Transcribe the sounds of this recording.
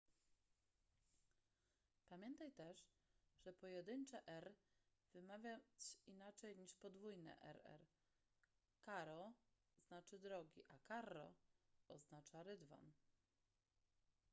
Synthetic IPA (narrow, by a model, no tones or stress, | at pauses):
pamʲjɛnt̪ajt̪ɛʂ | ʐɛpɔjɛd̪ɘɲt͡ʂɛʔɛɾv̥ɘmavʲjajt͡ɕinat͡ʂɛjɲiʂpɔd̪vujnɛ̰ʔɛ̰ɾɛ̰ɾ | kaɾɔ | znat͡ʂɘd̪ɾɔɡʲiʔakaɾːɔɔznat͡ʂaɾɘd̪va̰n